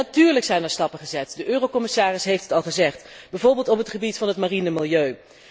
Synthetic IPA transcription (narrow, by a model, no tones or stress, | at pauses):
natyːɹləksɛjnɛɹstɑpəχəzɛtdəʔøːrowkɔmɪsaːrɪsɦejftɦətɑlˠχəzɛχtbɛjvoːɹbɪːlˠtɔpɦətχəbitfɑnɦətmarinəmɪlˠjøɥ